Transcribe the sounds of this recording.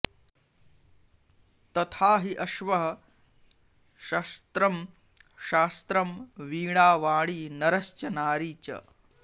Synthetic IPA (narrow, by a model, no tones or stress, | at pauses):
t̪ɐt̪ʰaːɦiʔɐʃʋɐɦɐ | ʃɐst̪ɾɐm | ʃaːst̪ɾɐmʋiːɳaːʋaːɭiːnɐɾɐst͡ʃɐnaːɾiːt͡ʃɐ̰